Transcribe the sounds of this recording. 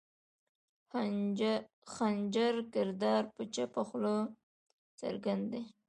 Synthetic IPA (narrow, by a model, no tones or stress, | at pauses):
xand͡ʒaɾkɪɾd̪ɑɾpət͡ʃapaxlo | t͡sə̰ɾɡand̪d̪e